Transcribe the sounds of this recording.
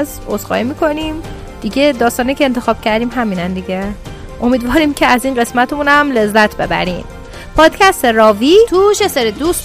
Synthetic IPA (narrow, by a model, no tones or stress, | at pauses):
z | ozɢɒ̰imiːkʰo̞nim | d̪̥iɟed̪ɒːst̪ɒːnijcʰeːnt̪ʰe̞xɒːb̥cʰæɾd̪iːmɦæmiːnænd̪iɟe | ʔo̞miːd̪vɒːɾimcʰeæziːnɢe̞smæt̪ʰemunæmle̞zːæt̪ʰbe̞bæ̰ɾiːm | pʰɒːd̪̥cʰʲæst̪eɾɒːviːt̪ʰuʃeseɾed̪uːs